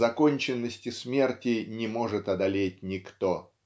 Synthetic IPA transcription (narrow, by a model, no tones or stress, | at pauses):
zɐkonʲt͡ɕɪnːəsʲtʲɪsmʲe̞rtʲɪnʲɪmo̞ʐɨt̪ɐd̪ɐlʲet̚ʲnʲɪkt̪o̞